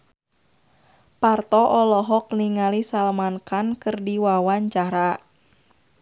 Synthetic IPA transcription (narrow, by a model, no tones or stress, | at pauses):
part̪ɔʔɔlɔɦɔk̚niŋalisalmankankɨrdiwawaɲt͡ʃaɾa